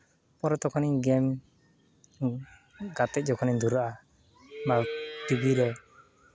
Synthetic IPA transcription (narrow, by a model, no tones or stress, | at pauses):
pɔɾɔt̪ɔkʰɔniɡɛm | ɡat̪ɛc̚d͡ʒɔkʰɔnid̪uɾaʔa | baʈibiɾɛ